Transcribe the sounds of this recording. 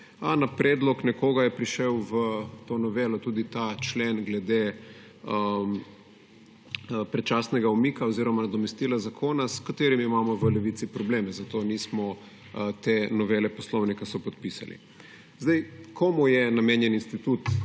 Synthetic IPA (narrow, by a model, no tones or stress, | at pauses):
anapɾɛːd̪lɔknɛkoːɡajɛpɾiʃɛwʋət̪onɔʋeːlɔt̪uːd̪it̪at͡ʃlenɡlɛd̪e | ə | pɾɛt͡ʃaːsnɛɡaumikaoziɾɔmanad̪ɔmɛst̪ilazakʰoːnaskat̪eːɾimimaːmɔʋəlɛʋit̪sipɾɔbleːmɛzat̪onismɔ | t̪enɔʋeːlɛpɔslɔwnikasɔpɔt̪̚pisa̰lḭ | zd̪ɛjkʰomujɛnameːnjɛninst̪it̪ut̪